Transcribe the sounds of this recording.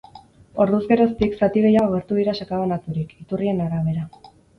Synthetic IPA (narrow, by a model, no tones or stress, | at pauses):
o̞ɾðuske̞ɾo̞st̪iksat̪iɣe̞jaoɣ̞e̞ɾt̪uðiɾaʃakaðanat̪uɾikit̪urie̞naɾaβ̞e̞ɾa